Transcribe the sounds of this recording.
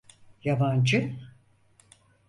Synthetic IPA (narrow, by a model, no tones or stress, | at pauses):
javand͡ʒɯ